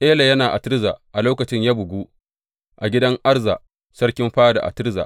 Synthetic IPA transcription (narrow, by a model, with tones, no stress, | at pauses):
ʔeː˦la˨jɐ˦naː˨ʔa˨tɪ˦ɾzaː˨ʔa˨loː˦kɐ˨t͡ʃɪ˦ɲjaː˦bʊ˨ɡʷuː˦ | ʔa˨ɡʲɪ˦dɐ˦ŋʔa˦rza˨ʔ | sɐ˦rkʲɪ˦mɸaː˦da̰˨ʔa̰˨tɪ˦ɾza̰˨ʔ